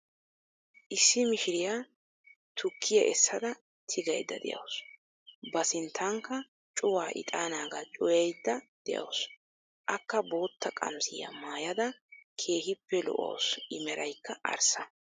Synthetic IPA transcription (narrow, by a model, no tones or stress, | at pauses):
ʔɪsːɪmɪʃɪɾɪjaː | t̪ʰʊkʰːɪjɐ̰ʔɛsːɐd̪ɐ | t̪ʰɪɡɐjd̪ːɐ̰d̪ɛ̰jɐ̰ws | bɐsɪnt̪ʰːaŋkːɐ | t͡ʃʼʊwaːʔɪ̰t̪ʼaːnaːɡat͡ʃʼɔjɐjd̪ːɐd̪̥ɛjɐ̰ws | ʔɐkːɐbo̞ːt̪ːɐkʼɐ̰msɪjɐ̰maːjɐd̪ɐkʰe̞ːhɪpːɛlɔ̰ʔo̰wsɪmɛɾʔɐjkːɐʔɐ̰ɾsɐ